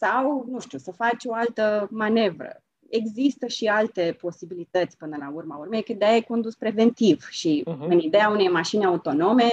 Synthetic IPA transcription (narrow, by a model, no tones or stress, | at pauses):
sawnuʃt̪usəfat͡ʃʲo̞alt̪əmane̞vɾə̰ | e̞ɡzist̪əʃialt̪e̞po̞sibilit̪ət̪sʲpɨnəlaurmaurmejkəd̪eajeko̞nd̪uspɾe̞ve̞nt̪ivʃiɨnid̪e̞aune̞jmaʃinaut̪o̞no̞me̞